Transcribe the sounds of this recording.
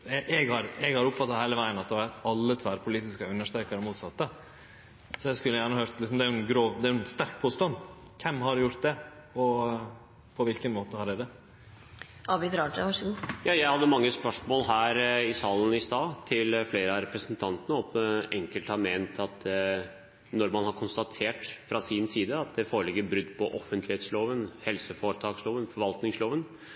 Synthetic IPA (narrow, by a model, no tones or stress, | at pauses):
ɛʔɛɡhɑɾɛɡhɑɾʊpfɑt̪ːɑhæɪləʋæɪənɑt̪̚d̪ɛɑt̪ɑlːət̪ʰʋæɾpʰʊliːt̪ɪskəʉnːəʂt̪ɾɛkəɾəmuːt̪sɑt̪ːə | sɔæskʉlːəjæːɳəɑhøːɾt̪lɪksɔmd̪ɛæjʉɛnɡɾoːd̪ɛæɾʉɛnst̪æɾk̚pʰuːst̪ɑnd̪ | kʰɛmːɦɑɖjʊɾt̪̚d̪ɛ | ɔ | pʰɔʋɪlkənmoːt̪əhɑɖɛd̪ɛ | ʔɑbɪt̪ɾɑːd͡ʒəʋɑʂəɡuːjɑːjæɪhɑd̪ːəmɑŋːəspœʂmoːlɦæːɾɪsɑːlən̩ɪst̪ɑːt̪ʰɪlfleːɾəɑɾɛpɾəsənt̪ʰɑnt̪ənəɔpʔɛŋkəlt̪hɑɾmeːnt̪ʰɑt̪ | nɔɾmɑnhɑɾkʰʊnst̪ɑt̪ʰeːʈfɾɑsɪnsiːd̪əɑt̪̚d̪ɛfoːɭɪɡːəbɾʉd̪ːpʰɔʔɔfənt̪lɪheːt̪sloːʋənhɛlsəfoːɾət̪ʰɑːksloːʋənfɔɾʋɑlt̪nɪŋsloːʋən